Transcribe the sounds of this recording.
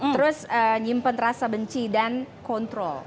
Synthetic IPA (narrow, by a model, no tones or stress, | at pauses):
t̪əɾʊsəɲimpənɾasabəɲt͡ʃidankɔnt̪ɾɔl